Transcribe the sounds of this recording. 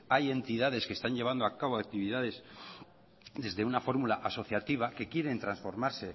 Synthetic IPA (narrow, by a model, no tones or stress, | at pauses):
aje̞nt̪iðað̞e̞skest̪aɲʝe̞β̞and̪oakaβoak̚t̪iβiðaðe̞z | d̪e̞zðe̞unafo̞ɾmulaʔaso̞θjat̪iβ̞ake̞kje̞ɾe̞nt̪ɾansfo̞ɾmaɾse̞